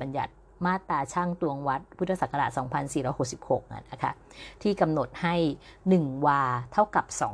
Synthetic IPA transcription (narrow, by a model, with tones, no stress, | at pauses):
ba˧nja̰˨˩t̪̚ | maː˥˩t̪ːaː˧t͡ɕʰaː˥˩ŋt̪u˧əŋwa˦˥t̪̚pʰu˦˥t̪ʰːa˧sa˨˩ka˧ɾa̰˨˩ʔsɔː˩˦ŋpʰa˧nsiː˨˩ɾɔː˦jho˨˩k̚si˨˩p̚ho˨˩k̚ʔa̰˨˩na˦˥kʰa̰˦˥˩t̪ʰiː˥˩ka˧mno˨˩t̪̚ha˥˩jnɯ˨˩ŋwaː˧t̪ʰa˥˩wka˨˩p̚sɔː˩˦